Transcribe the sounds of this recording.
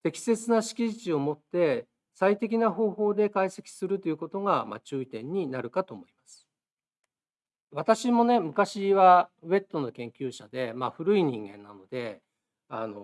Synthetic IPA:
t̪e̞kʲi̥se̞t͡sɨnaɕi̥kʲiʑit͡ɕio̞mo̞t̪ːe̞ | sait̪e̞k̬ʲinaɦo̞ːho̞ːd̪e̞kaise̞kʲi̥sɨɾɯ̟t̪o̞jiɯ̟ko̞t̪o̞ɡama̰t͡ɕɨːit̪ẽ̞ɲ̟ːinaɾɯ̟kat̪o̞mo̞imasɨ̥ | β̞at̪aɕimo̞ne̞mɯ̟kaɕiβaβe̞t̪ːo̞no̞kẽ̞ŋkʲɨːɕad̪e̞maɸɯ̟ɾɯ̟iɲ̟ĩŋɡẽ̞̰nːano̞d̪e̞ | ano̞

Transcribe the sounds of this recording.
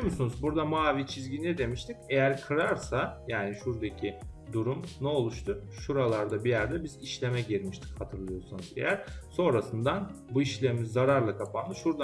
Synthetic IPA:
omusunuzbuɾd̪amaːvit͡ʃʰizɟinɛd̪e̞miʃt̪ʰice̞jæɾkʰɯɾaɾsajaːniʃuɾd̪acʰid̪uɾumnɛo̞lˠuʃt̪ʰuʃuɾalˠaɾd̪abijæɾd̪ɛbiziʃlʲe̞mɛɟiɾmiʃt̪ʰi̥chat̪ʰɯɾlˠɯjo̞sunuzḛjæɾso̞nɾasɯnd̪an | buiʃlʲemizːaɾaɾlˠakʰapʰanːɯʃuɾd̪a

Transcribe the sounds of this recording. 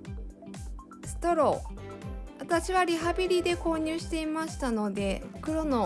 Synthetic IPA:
sɨ̥t̪o̞ɾo̞ | βat̪aɕiβaɾʲiɦabʲiɾʲid̪e̞ko̞ːɲ̟ɨːɕi̥t̪e̞imaɕi̥t̪ano̞d̪e̞kɯ̟ɾo̞no̞

